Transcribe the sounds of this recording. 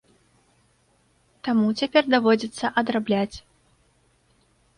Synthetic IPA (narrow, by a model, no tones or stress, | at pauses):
t̪amut͡sʲapʲɛrd̪avɔd͡zʲit̪sːɐʔɐd̪ɾablʲat͡sʲ